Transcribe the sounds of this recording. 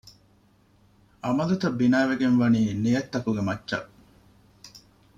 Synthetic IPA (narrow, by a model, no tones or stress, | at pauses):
ʔɐmɐlut̪ɐbːinaːʋeɡenʋɐniːnijɐt̪ːɐkuɡemɐtːɐ̰